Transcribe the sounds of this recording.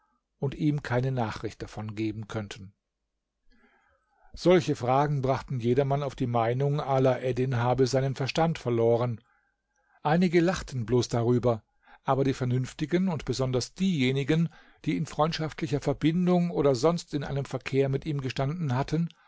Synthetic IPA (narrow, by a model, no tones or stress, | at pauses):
ʔʊntʔiːmkʰaɪnənaːχʁ̥ɪçt̚d̥afɔnɡeːbm̩kʰœntʰn̩ | z̥ɔlçəfʁ̥aːɡŋ̩bʁaχtn̩jeːɾɐmanaʊfd̥iːmaɪnʊŋʔaːlaʔɛdɪnɦaːbəzaɪnənfɛɐʃtantfɛɐloːʁ̞ən | ʔaɪnɪɡəlaχtn̩bloːsd̥aʁyːbɐ | ʔaːbɐɾiːfɛɐnʏnftɪɡənʊntb̥əzɔndɐsd̥iːjeːnɪɡən | d̥iːɪnfʁ̥ɔʏntʃaftlɪçɐfɛɐbɪndʊŋʔoːɾɐzɔnstɪnʔa̰ɪnəmfɛɐkʰeːɐmɪtʔiːmɡəʃtandn̩hatʰən